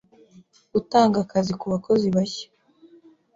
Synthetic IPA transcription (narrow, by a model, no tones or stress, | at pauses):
utaːŋɡakazikuβako̞ziβaçḁ